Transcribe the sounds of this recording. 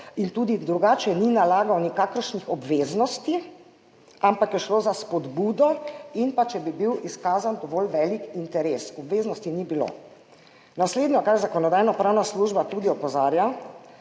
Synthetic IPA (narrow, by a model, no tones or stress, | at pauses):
int̪uːd̪id̪ɾuɡaːt͡ʃɛninalaːɡawnikaːkəɾʃnixɔbʋeːznɔst̪i | ampakjɛʃlozaspɔd̪buːd̪ɔinpat͡ʃɛbibiwiskaːzand̪ɔʋɔlʋɛlikint̪ɛɾeːsɔbʋeːznɔst̪inibilo̰ | nasleːd̪nʲjɔkaɾzakɔnɔd̪aːjnɔpɾaːwnasluːʒbat̪uːd̪iɔpɔzaːɾja